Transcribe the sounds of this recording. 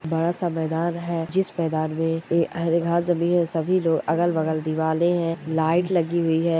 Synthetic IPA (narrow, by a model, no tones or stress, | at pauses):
bɐɽasamɛːd̪aːnɦɛd͡ʒɪsmɛːd̪aːnmẽeɐɦɾɡʱaːt̪zɐmĩːnɦɛsɐbʱiloːɡɐɡəlʋɐɡəld̪ɪʋaːlẽɦɛ̃laːɪʈlɐɡiɦʊiɦɛː